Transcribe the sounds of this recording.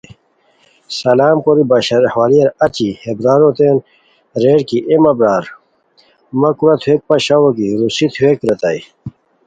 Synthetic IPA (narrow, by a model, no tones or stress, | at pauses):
sɐlaːmkoɾibɐɕɾhwaːɾijɐɾɐt͡ɕihebɾaːɾot̪eːn | ɾeːɽkiʔemɐbɾaːɾ | mɐkuɾɐt̪ʰuweːk̚pɐɕawokiɾusit̪ʰueːkɾɐt̪ai